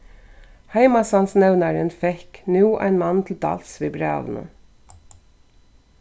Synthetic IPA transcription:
hæɪmɑsɑnsnɛʋnəɾənfɛknuːʔæ̰ɪnmɑnt̪ʰl̩d̪ɑ̰lsʋiːbɾɑ̰ːʋn̩ə̰

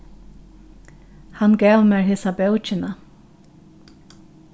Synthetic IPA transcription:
hanɡɛːʋmɛːɹhɪsabœwt͡ʃɪna

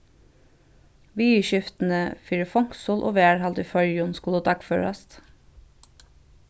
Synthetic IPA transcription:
ʋiːiːʃʏft̪n̩əfiːɹəfɔŋksuːlʔo̰ːʋeːæɹhɑld̪ʉfœʏjʊnskuləːt̪ʰɑkfø̰ɹɑ̰st̪

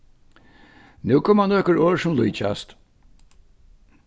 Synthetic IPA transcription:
nʉːkʰɔmanɔːkəɹoːɹsʊmluːt͡ʃa̰st̪

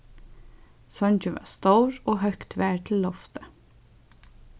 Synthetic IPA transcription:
sœnçʉʋɑ̰ːst̪oʊɹoːhœkt̪ʰʋæːɹʈʰl̩lɔft̪ə

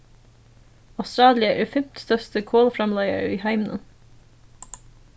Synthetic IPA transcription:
ɑʊst̪ɾɑːlɪəʔɛːɹfɛmt̪st̪œst̪əkʰoːləfɾɑmlæɪə̰ɹiːɦæɪmnə̰n

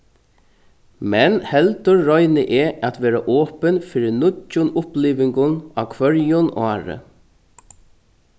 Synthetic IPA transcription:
mɛnhɛlt̪ʊɾːɔjnɪʔɛʔat̪ʋɛːɾaʔɔːpənfɪːɾɪnʊt͡ʃːʊnʊpliːʋɪŋkʊnakʰʋœɹjʊnaːɾə̰

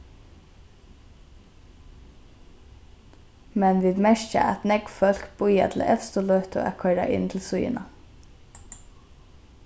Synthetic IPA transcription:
mɛnʋiːd̪mɛʃca̰ʔæt̪nɛkfœl̥kbʊja̰t̪ʰɪlɛ̰fst̪ʊlɔht̪ʊʔæ̰kʰœɹa̰ʔɪ̰nt̪ʰɪlsʊjɪ̰na

